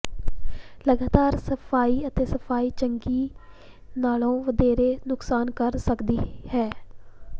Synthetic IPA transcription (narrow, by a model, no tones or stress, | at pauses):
ləɡaːt̪aːɾsəpʰaːiːət̪eːsəpʰaːiːt͡ʃəŋɡiː | naːlõːʋəd̪eːɾeːnʊksaːnkəɾsəkd̪iːhɛː